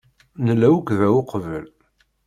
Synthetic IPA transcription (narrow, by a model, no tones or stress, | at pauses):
nəlːæwəkðæwʊqvəl